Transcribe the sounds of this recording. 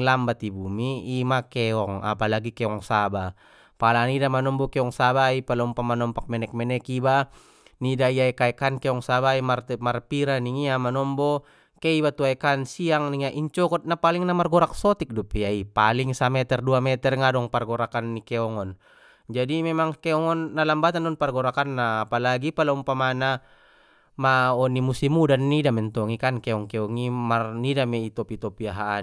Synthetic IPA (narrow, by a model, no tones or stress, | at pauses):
lambat̪ibumiːmakɛɔŋa̰palaɡikɛɔŋsaba | palanidamanɔmbɔkɛɔŋsabaipalɔumpamanɔmpak̚mɛnɛk̚mɛnɛkiba | nidaiaikaɛkankɛɔŋsabaimarmarpiɾaniŋiamanɔmbɔ | kɛibat̪uaɛkansiaŋniŋaʔiɲt͡ʃɔkɔt̪̚napaliŋnamarɡɔɾak̚sɔt̪ik̚dupiaipaliŋsamɛt̪ɛrduamɛt̪ɛrŋadɔŋparɡɔɾakanːikɛɔŋɔn | d͡ʒadimɛmaŋkɛɔŋɔnːalambat̪andɔŋparɡɔɾakanːaːpalaɡipalaumpamana | maɔnimusimudanːidamɛnt̪ɔŋikankɛɔŋkɛɔŋimarnidamɛit̪ɔpit̪ɔpiaɦaː